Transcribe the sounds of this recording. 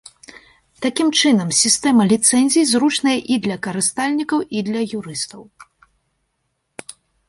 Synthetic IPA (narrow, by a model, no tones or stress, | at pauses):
t̪akʲimt͡ʂɨnɐmsʲist̪ɛmɐlʲit̪sɛnʲzʲijzɾut͡ʂnɐjɐʔid̪lʲɐkɐɾɨst̪alʲnʲikɐwid̪lʲɐjuɾɨst̪ɐw